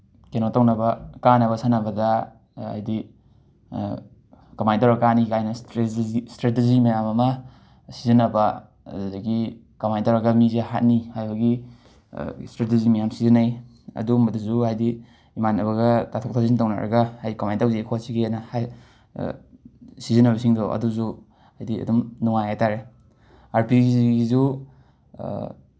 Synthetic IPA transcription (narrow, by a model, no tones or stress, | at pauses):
kenotawnɐbɐkanɐβɐsanɐbɐdɐ | a̰jdi | kamajntawɾɐkanikajnɐstɾeiistɾetezimajamɐmɐ | sizinɐbɐ | adaɡi | kamajntawɾɐɡɐmizaha̰t̚nihajbaɡi | stɾet̬ezimɐjamsizinaj | ɐ̰dumadazuhajdi | imanɐbɐɡatatʰɔk̚tʰazintawna̰ɾɐ̰ɡahajdikamajntawzekʰɔwasiɡianahaj̰ | sizənabasiŋdɔwʔɐ̰duzu | hajdiɐ̰dumnuŋajajtaɾe | aɾpiɡizɡizu